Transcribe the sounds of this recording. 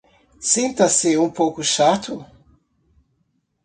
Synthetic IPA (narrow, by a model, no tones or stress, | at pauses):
sẽnt̪ɐsɪũpowkʊʃat̪ʊ